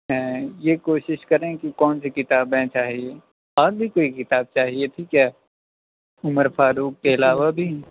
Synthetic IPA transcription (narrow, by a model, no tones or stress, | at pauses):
ɦɛ̃ːjekoːʃɪʃkɐɾẽkikɔːnsikɪt̪aːbɛ̃t͡ʃaːɦieː | aːɾbʱikoːikɪt̪aːb̚t͡ʃaːɦiet̪ʰiːkjaː | ʊməɾfaːɾuːkːeɐlaːʋabʱi